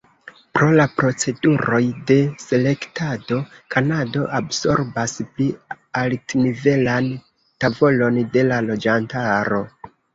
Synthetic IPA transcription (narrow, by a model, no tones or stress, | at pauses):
pɾo̞lapɾo̞t͡se̞duɾo̞jde̞se̞le̞ktado̞kʰanado̞ʔabso̞ɾbaspli | altnive̞lan | tavo̞lo̞nde̞lalo̞d͡ʒantaɾo̞